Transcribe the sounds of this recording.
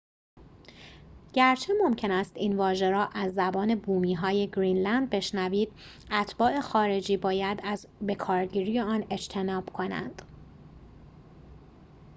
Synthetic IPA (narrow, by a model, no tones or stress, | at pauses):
ɟ̥æɾt͡ʃʰe̞mo̞mcʰe̞næst̪iːnvɒːʒe̞ɾɒːʔæzːæbɒːne̞buːmiːɦɒːje̞ɡɾiːnlænd̪̚be̞ʃnæviːd̪̥̚ | æt̪ʰb̥ɒːe̞xɒːɾe̞d͡ʒiːbɒːjæd̪æz | be̞kʰɒːɾɟiːɾiːjeɒːne̞d͡ʒt̪ʰe̞nɒːb̥kʰo̞næ̰nd̪̥